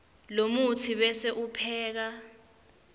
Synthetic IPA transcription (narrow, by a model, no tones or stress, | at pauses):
lomutʰiɓɛseʔupʰɛːk̬a